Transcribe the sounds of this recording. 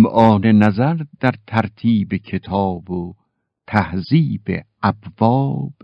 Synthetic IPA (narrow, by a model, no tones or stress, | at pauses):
mʔɒːnenæzæɾd̪æɾt̪ʰæɾt̪ʰiːbekʰe̞t̪ʰɒːbo | t̪ʰæhziːbḛʔæbvɒːb̥